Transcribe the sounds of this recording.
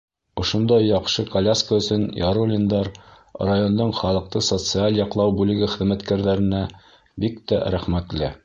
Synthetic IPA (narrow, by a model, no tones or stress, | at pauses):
ŏʃond̪ɑjːɑqʃɤkɐlʲaskəɵ̆sɵnjɑɾolʲind̪ɑɾ | rajond̪oɴχɑlˠɤ̆q̚t̪ɤsot̪sɨalʲˠjɑqlˠɑwbʉlɘ̆ɡɘχɘ̆ðmæt̪kæɾðæɾɘ̆næ | bikt̪æɾæχmæt̪lɘ